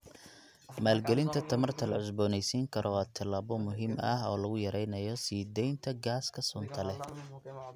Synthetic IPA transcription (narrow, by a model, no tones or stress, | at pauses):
maːlɡɛlɪnt̪ʰɐt̪ʰɐmɐrt̪ʰɐlɐʕʊsbɔːnɛjsiːŋkʰɐɾʔɔat̪ʰɐlaːβɔmʊɦiːmɐɦɔ̰ːlɐɣʊjɐɾɛjnɐjɔsiːd̪ɛjnt̪ʰɐɡaːskʰɐsʊnt̪ʰɐlɛ